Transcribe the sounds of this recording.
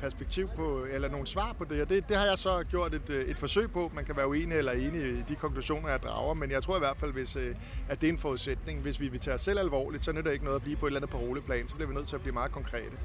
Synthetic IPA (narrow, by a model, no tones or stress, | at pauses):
pʰæɐsb̥eɡ̥̚t͡sʰiʊ̰pʰɒ̽elɐno̝ːn̩sʋɑ̰̈ːpʰɒ̽d̥e̝ɒd̥e̝d̥e̝hɑ̈jɑ̈ɪsɒ̽ɡ̥jo̝ɐ̰d̥e̝d̥e̝d̥fɒ̽sø̰ɪpʰɒ̽mænkʰæʋæːɐuḛːnielɐe̝ːniid̥ikʰɒ̽ŋkʰluɕo̝̰ːnɐjɑ̈d̥ʁɑ̰̈ʊɐmenjɑɪt͡sʰo̝ɐiʋæɐd̥fæl̰ʋe̝s | æɐd̥e̝e̝nfɒːuð̞ˠsed̥ne̝ŋʋe̝sʋiʋe̝t͡sʰɛːɒsːel̰ælʋɒ̰ːlid̥sɒ̽ɐneɾɒ̽b̥eɡ̥nɔ̽ːðˠɐbliːpʰɒ̽e̝dlænð̩ˠpʰɒ̽ʁo̝ːlipʰlɛ̰ːnsɒ̽b̥liɐʋinøð̰ˠt͡sʰe̝æb̥liːmɑ̈ːð̩ˠkʰɒ̽ŋkʰʁɛ̰ːd̥ə